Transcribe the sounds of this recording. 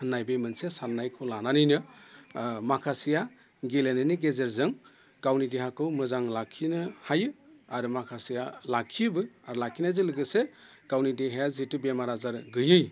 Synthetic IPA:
nːajbemɯnsesanːajkʰɯwlananɯjnɯ | makʰasija | ɡelenɯniɡezeɾzɯŋ | ɡ̥awnideɦakɯwmɯzaŋlakʰːinɯhajɯaɾɯmakʰasijalakʰibɯaɾlakʰinajzɯlɯɡɯse | ɡ̥awnideɦejazitubemaɾazaɾɡɯjɯj

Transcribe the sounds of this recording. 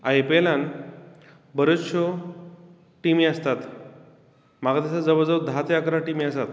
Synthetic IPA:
ajpelan | bəɾət̪ɕo | ʈimiːəst̪at̪ | maɡat̪aɕad͡zəʋəd͡zəʋəd̪ʱat̪jakɾaʈimiəsat̪

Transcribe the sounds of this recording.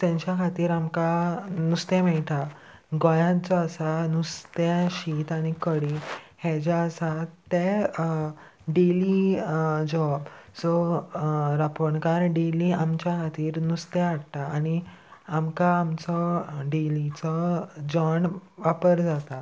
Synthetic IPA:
t̪ɛ̃ɲt͡ɕakʰat̪iːɾamkanust̪ɛmɛɭʈ̪a | ɡɔjãt͡sɔəsanust̪ɛɕit̪aɽ̃ikəɽihɛd͡ʑaəsat̪ːɛ | ɖeli | d͡ʑɔbsɔ | ɾapɔɳkaɾɖeliamt͡ɕjakʰat̪iːɾnust̪ɛ̃aɽt̪aːñi | amkaːmt͡sɔɖelit͡sɔd͡ʑɔɳʋapəɾd͡zat̪a

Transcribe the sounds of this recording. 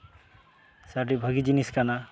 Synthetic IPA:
saʈ̬ibʱəɡid͡ʒiniskana

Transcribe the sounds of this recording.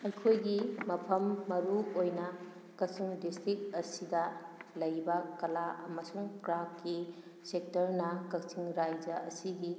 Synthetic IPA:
ɐjkʰojɡimɐpʰɐmːɐɾuojnɐ | kɐk̚siŋdistɾit̚ɐsidɐlɐjbɐkɐlaɐmɐsuŋkɾakkːi | sek̚tɐɾnɐkɐksiŋɾajd͡ʒɐɐsiɡi

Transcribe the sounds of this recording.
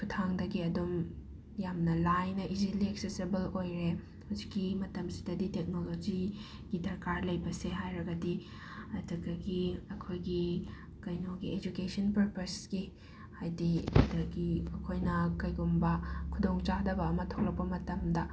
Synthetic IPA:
kʰutʰaŋdɐɡiɐdum | jamnɐlajnɐʔiziliek̚sesibɐlojɾe | hawzikːimɐtɐmsi̥dɐditek̚nolod͡ʒi | ɡ̥idɐɾkaɾlɐjbɐseɦajɾɐɡɐdi | ɐduɡɐɡiɐkʰojɡi | kɐjnoɡied͡ʒukesɔnpɐɾpɐsɡi | hajdiɐ̰dɐɡiɐkʰojnɐkɐjɡumbɐkʰudoŋt͡ʃadɐbɐːmɐtʰok̚lɐk̚pɐmɐtɐmdɐ

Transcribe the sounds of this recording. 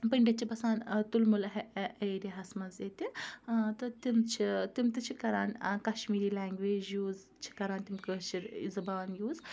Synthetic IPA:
pɐɳɖʲɐt̪t͡ʃʰibɐsaːnt̪ulmulɐɦeʔɐjɾiɦɐsmɐzeːt̪it̪ɐt̪imt͡ʃʰit̪imt̪ɨt͡ʃʰikɐɾaːnkɐʃmiːɾiːlaːŋɡʋeːd͡ʒjuːz | t͡ʃʰi̥kɐɾaːnt̪imkəʃiɾḭzɐbaːnjuːz

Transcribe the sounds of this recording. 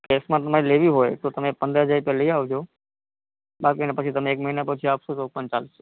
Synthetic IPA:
keːsmãt̪ɐm̤aɾeleːbʱiɦoːet̪ot̪ɐmẽpə̃nd̪ɾəɦəzaːɾipjaliaːod͡ʒo | baːd̪̚məɦinapət͡ʃʰit̪ɐmẽeːkmɐɦinapɐt͡ʃʰiaːpsosoːk̚pənt͡ʃaːls

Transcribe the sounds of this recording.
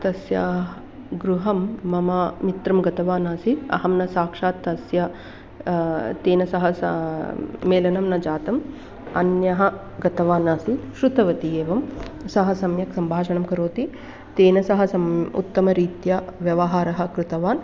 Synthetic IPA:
t̪ɐsjɐ | ɡɾuɦɐmːɐmaːmit̪ɾɐmɡɐt̪ɐʋaːnaːsiɐ̰ɦɐmnɐsaːkʂaːt̪ːɐsjɐ | t̪eːnɐsɐɦɐs | meːlɐnɐmnɐd͡ʒaːt̪ɐm | ɐ̰njɐɦɐ̆ | ɡɐt̪ɐʋaːnaːsiʃɾut̪ɐʋɐt̪ijeːʋɐmsɐɦɐsɐmjɐksɐmbʱaːʃɐɳɐmkɐɾoːt̪i | t̪eːnɐsɐɦɐsɐmṵt̪ːɐmɐɾiːt̪jɐʋjɐʋɐɦaːɾɐɦɐ̆kɾɪt̪ɐʋaːn

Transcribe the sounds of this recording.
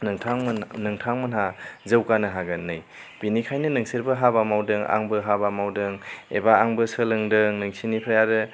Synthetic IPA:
nŋtʰaŋnɯŋtʰaŋmɯnɦazɯwkanɯɦaɡɯnɯj | b̥inikʰajnɯnɯŋseɾbɯɦabamawdɯŋa̰ŋbɯɦabamawdɯŋḛbaːŋbɯsəlɯŋdɯŋnɯŋsinipʰɾajaɾɯ

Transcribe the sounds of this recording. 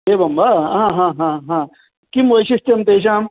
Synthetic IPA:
ɦeːbɐmbaɦãɦãːɦãːɦã | kimojɕist̪ɐmt̪eːɕ̬aːm

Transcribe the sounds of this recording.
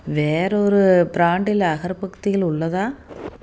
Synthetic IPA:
ʋeːɾɐɔɾɯbɾaːɳɖɪlɐɣɐɾpɐkt̪ɪɣɐɭʊɭːɐðãː

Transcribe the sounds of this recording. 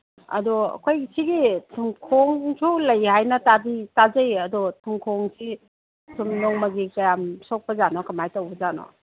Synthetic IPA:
ɐ̰dɔɐ̰kʰojsiɡitʰumkʰoŋsʰulɐjhajnɐtabitazɐjɐdɔtʰumkʰɔŋsi | tʰumnɔŋmɐɡikɐjamsɔk̚pɐzanɔkɐmajtawbɐzanɔ̰

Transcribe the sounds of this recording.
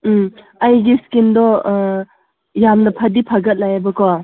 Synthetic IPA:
ɐjɡiskindɔ | jamnɐpʰɐdipʰɐɡɐt̚lajabɐkoa

